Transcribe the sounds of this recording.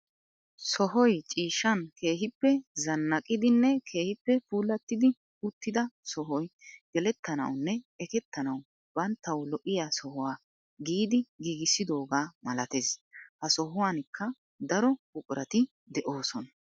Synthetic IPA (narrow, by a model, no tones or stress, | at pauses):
sɔɦɔjt͡ʃʼiːʃɐnkʰe̞ːɦɪpːɛzɐnːɐkʼɪd̪ɪnːɛkʰe̞ːhɪpːɛfuːlːɐt̪ːɪd̪ɪ | ʊt̪ːɪd̪ɐsɔɦɔjɡ̥ɛlɛt̪ːɐnɐ̰wnːɛɛkɛt̪ːɐnɐw | b̥ɐnt̪ːɐwlɔʔɪjaːsɔhʊwaː | ɡiːd̪ɪɡiːɡɪsːɪd̪o̞ːɡaːmɐlɐt̪eːshɐsɔɦʊwaːnɪkːɐ | d̪ɐɾɔkʊkʼʊɾɐt̪ɪ | d̪ɛʔo̞ːsɔnɐ